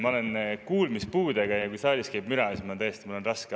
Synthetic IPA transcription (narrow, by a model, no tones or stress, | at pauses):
mɑole̞nkuːlmispuːd̪eɡ̥ɑjɑkujsɑːlʲiskæjbmyɾɑesmɑnt̪æjest̪imɑolenrɑske